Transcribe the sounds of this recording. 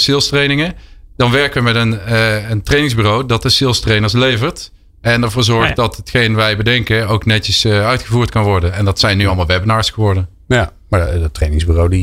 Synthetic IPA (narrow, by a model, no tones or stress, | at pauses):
sɪlˠstrejnɪŋədɑnʋɛɹkəʋəmɛtənəntrejnɪŋzbyːrowdɑt̚dəsɪlˠstrejnəɹs̬lejvəɹt | ɛndɛɹvoːɹzɔɹχtdɑtətxejnʋɛjbədɛŋkəowknɛtəsœɥtχəvuːɹtkɑnʋɔɹdənɛndɑtsɛjnːyɑlˠmɑlˠʋɛbənaːɹsχəʋɔɹdən | maətrejnɪŋzbyrowdi